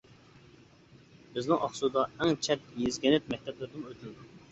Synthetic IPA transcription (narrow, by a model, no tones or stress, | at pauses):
bɪznɪŋʔɑχsud̪ɑɛŋt͡ʃʰɛt̪̚jezɡʲɛnɪt̪̚mɛk̚ʲt̪ʰɛplɪɾd̪ɪnøt̪ʰnd̪u